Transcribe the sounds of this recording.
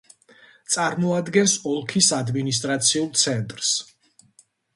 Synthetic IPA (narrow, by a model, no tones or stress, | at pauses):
t̪sʼaɾmɔad̪ɡɛnsɔlˠkʰisad̪minis̬t̪ʼɾat̪sʰiulˠt̪sʰɛnt̪ʼɾs